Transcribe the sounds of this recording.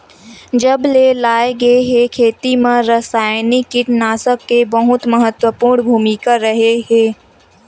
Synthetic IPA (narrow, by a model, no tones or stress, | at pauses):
d͡ʒəbleːlaːeɡəeɦekʰeːt̪imẽɾəsaːjnikɪʈnaːsəkːebəɦʊt̪məɦət̪wəpuːɾɳbʱuːmikaɾɐɦeɦẽː